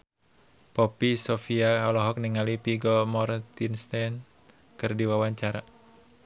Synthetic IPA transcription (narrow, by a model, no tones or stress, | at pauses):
pɔpisɔfiaɦalɔɦɔk̚niŋalipiɡɔmɔɾt̪inst̪an | kɨrdiwawaɲt͡ʃaɾa